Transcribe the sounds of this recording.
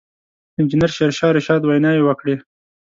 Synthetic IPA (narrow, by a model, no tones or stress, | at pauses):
ɪnd͡ʒɪnaɾʃeɾʃɑɾɪʃɑd̪wajnɑjewəkɽe